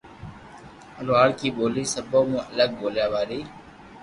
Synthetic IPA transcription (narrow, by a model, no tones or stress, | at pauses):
əlʋaːɽkiːɓoːliːsəboːmũːʔələɡ̚boːljaːʋaːɾiː